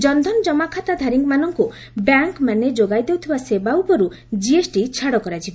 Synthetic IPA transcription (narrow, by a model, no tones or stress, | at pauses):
d͡ʒɔnd̪ʱɔnd͡ʒɔmakʰat̪ad̪ʱaɾiŋɡmanɔŋku | bjaŋkmaned͡ʒoɡajd̪ewt̪ʰibasebaupɔɾu | d͡ʒiesʈit͡ʃʰaɽɔkɔɾad͡ʒʰiba